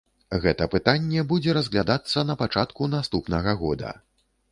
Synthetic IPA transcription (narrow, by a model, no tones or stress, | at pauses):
ɣɛt̪ɐpɨt̪anʲːɛbud͡zʲɛɾɐzɣlʲad̪at̪sːɐnɐpat͡ʂat̪kunast̪upnɐɣɐɣɔd̪ɐ̰